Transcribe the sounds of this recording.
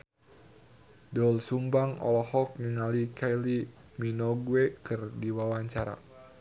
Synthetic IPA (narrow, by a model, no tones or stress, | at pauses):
dɔlsumbaŋɔ̰lɔhɔk̚niŋalikʰali | minɔɡwekɨrdiwawaɲt͡ʃaɾa̰